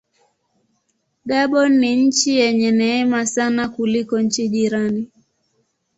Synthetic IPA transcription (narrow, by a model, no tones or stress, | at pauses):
ɡaɓɔnːiɲ̩t͡ʃijɛɲɛnɛɛmasanakulikɔɲ̩t͡ʃiʄiɾani